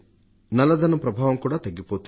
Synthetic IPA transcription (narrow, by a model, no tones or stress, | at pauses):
nɐlːɐd̪ɐnːupɾɐbʱaːʋɐmkuːɽaːt̪ɐɡːipoːt̪